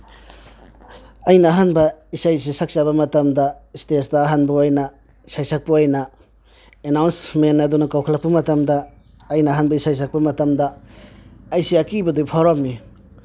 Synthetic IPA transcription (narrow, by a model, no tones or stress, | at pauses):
ɐjnɐːɦanbɐisajs̬isak̚t͡ʃaβɐmɐtɐmdɐstesdɐːɦanbɐjnɐ | sajsak̚puojnɐ | enawnsmenɐdunɐkawkʰalak̚pɐmɐtɐmdɐː | jnɐːɦanbɐisajs̬ak̚pɐmɐtɐmdɐː | jsiakibɐdupʰawɾam̚mi